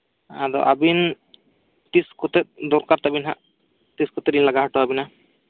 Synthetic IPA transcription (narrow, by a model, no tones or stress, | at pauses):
a̰d̪ɔ̰ʔa̰bin | t̪iskɔt̪ɛt̪̚d̪ɔɾkaɾt̪abinɦa̰ʔ | t̪iskɔt̪ɛɾinlaɡaɦaʈɔabina